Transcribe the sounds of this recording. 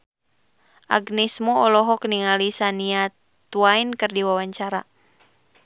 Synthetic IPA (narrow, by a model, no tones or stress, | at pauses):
ʔa̰ɡnismɔɔlɔɦɔkniŋalisania | t̪uainkɨrdiwawaɲt͡ʃaɾa